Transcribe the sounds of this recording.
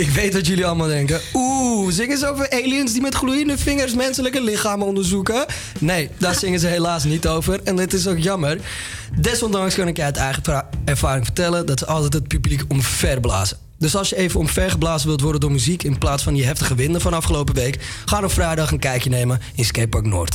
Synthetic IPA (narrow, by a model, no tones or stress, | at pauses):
ɪkʋejtʋɑtjøliɑlˠmalˠdɛŋkəuzɪŋəzəowvəreːliənsdimɛtχlujəndəfɪŋərs̬mɛnsələkəlɪxaːmɔndəɹzukə | nejdaːsɪŋəzəɦelaːs̬nitowvərɛndɪtɪs̬okjɑmər | dɛsɔndɑŋskɑnɪkjɛjətɛjχəɛɹfaːɾɪŋfərtɛləndɑtsəɑlˠtɛtɦət̚pyblikɔmfɛrbla̰ːzə | døsɑlˠsjəejvənɔmfɛrχəblaːzənʋɪlˠtʋɔrdədʊːɹmyzikɪnplaːtsfɑndiɦɛftəχəʋɪndəfɔnɑfχəlowpəʋejk | χaːnɔfrajdɑχənkɛjkjənejmə | ɪnskeːpɔɹkno̰ːrt